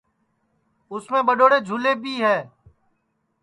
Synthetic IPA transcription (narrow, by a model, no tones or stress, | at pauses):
ʊsmẽːɓəɗoːɽeːd͡ʒʱuːleːbʱiːɦɛː